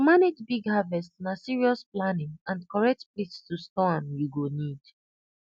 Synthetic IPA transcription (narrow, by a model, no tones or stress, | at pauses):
maned͡ʒbiɡhavɛstnasiɹiɔsplanɪ̃ŋãnkɔɹɛk̚tplitstustɔ̃njuɡonid̥